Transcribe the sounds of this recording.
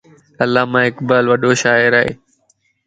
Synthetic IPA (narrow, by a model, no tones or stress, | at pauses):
ɐlːaːmãːɪkbaːlʋəɗoʃaːɪɾaːɦḛː